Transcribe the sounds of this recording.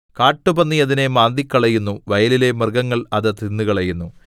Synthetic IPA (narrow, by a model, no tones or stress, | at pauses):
kaːʈːubɐnːijɐðine̞maːnd̪ikʲːɐɭɐjunːuʋɐjɐlile̞mɐrɡɐŋːɐɭɐðɨt̪inːuɣɐɭɐjunːu